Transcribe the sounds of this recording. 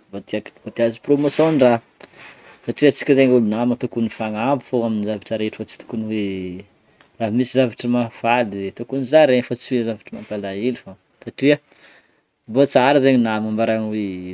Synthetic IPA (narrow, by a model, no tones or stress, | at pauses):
vat̪iavat̪iazipromosonra | saʈ͡ʂiət͡si̥kʲizeɲulunamat̪ukunifaŋambufoaminizavaʈ͡ʂaɾeʈ͡ʂu̥fat͡si̥t̪u̥kuniwe | raɦmisizavaʈ͡ʂəmafalit̪ukunizaɾefat͡siwezavaʈ͡ʂəmampalailifa | saʈ͡ʂiə | bot͡saɾizeɲinamambaɾanwe